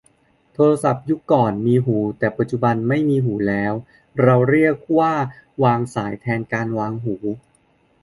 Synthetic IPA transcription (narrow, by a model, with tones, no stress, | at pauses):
t̪ʰoː˧ɾa˧sa˨˩p̚ju˦˥kːɔː˨˩nmiː˧ɦuː˩˦t̪ɛː˨˩pa˨˩t̪̚t͡ɕu˨˩ba˧nma˥˩jmiː˧ɦuː˩˦lɛː˦˥w | ɾa˧wɾi˥˩ək̚waː˥˩waː˧ŋsaː˩˦jt̪ʰɛː˧nkaː˧nwaː˧ŋɦuː˩˦